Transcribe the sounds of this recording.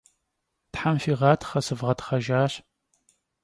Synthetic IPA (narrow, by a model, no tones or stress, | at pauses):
tħamfiʁɑːtʰχɐsɨvʁɐtχɐʒaːɕ